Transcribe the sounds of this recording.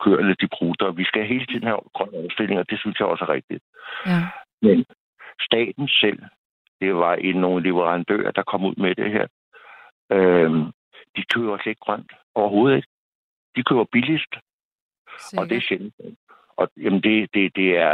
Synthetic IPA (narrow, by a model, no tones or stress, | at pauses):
kʰøɐ̰nəd̥ib̥ʰʁuːd̥ɐʋisɡ̥æɦe̝ːlət͡sʰið̞̰ˠn̩hæɡ̥ʁɶn̰ɒʊsd̥e̝l̰e̝ŋɒd̥e̝synsjɑ̈ɪɒ̽səʁɛɡ̥̚d̥id̥ | men | sd̥ɛ̰ːd̥n̩sel̰ | d̥e̝ʋɑ̈ʔeno̝ːn̩le̝ʋəʁɑ̈nd̥ø̰ːɐ̰d̥ɑ̈kʰɒ̽muð̰ˠmed̥eheɐ̰ | ø | d̥ikʰøːʊɐsled̥̚ɡ̥ʁɶn̰d̥ | ɒʊɐɦo̝ːð̩ˠe̝ɡ̥ | d̥ikʰø̰ːʊɐb̥ilisd̥ | ɒ̽d̥e̝ɕel̩sɔ | ʔɒ̽jæmn̩d̥e̝d̥e̝d̥e̝æɐ